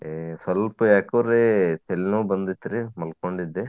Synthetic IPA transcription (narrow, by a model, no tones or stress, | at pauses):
esɐlpujaːkɐːɾet̪elnuːbɐnd̪it̪ːiɾimɐlkoɳɖid̪ːe